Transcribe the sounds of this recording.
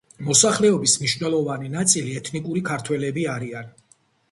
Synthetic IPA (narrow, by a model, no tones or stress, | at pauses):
mɔsaχlɛɔbismniʃvnɛlˠɔvaninat̪sʼiliɛt̪ʰnikʼuɾikʰaɾt̪ʰwɛlɛbiaɾian